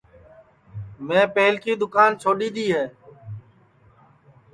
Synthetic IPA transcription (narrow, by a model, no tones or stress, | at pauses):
mẽːpeːlkiːd̪ʊkaːnt͡ʃʰoːɗiːd̪iːɦeː